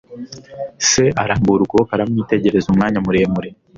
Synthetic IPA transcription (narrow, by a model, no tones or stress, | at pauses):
se̞aɾaːmbuɾukuβokaɾamŋiːte̞ɟe̞ɾe̞zumŋaːɲamuɾe̞ːmuɾe